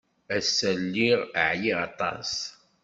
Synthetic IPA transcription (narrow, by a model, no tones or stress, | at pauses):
æsːəlːiʁə̰ʕjiʁɑt̪ˤɑ̰s